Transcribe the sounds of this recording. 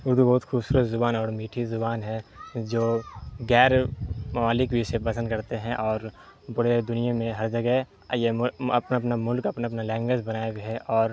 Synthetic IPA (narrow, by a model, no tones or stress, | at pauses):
ʊɾd̪ubɔɦːʊt̪xʰuːbsuːɾət͡ʃzʊbaːnɔːɾmiːʈʰizʊbaːnɦɛ̃d͡ʒoːɡɛːɾmɐmaːlɪkbʱisepɐsə̃nd̪̚kɐɾt̪eɦɛ̃ʔɔːɾ | bɐɽed̪ʊnijamẽɦɐɾd͡ʒɐɡɛɦ | jemɐpnapnamʊlkɐpnapnalɛ̃ːŋɡwed͡ʒbɐnaːeɡɐɦɛʔɔːɾ